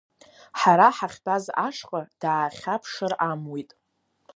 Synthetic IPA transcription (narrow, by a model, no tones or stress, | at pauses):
ħaɾaħaχʲbaza̰ʂqʼad̥aːχʲapʰʂɨramwitʼ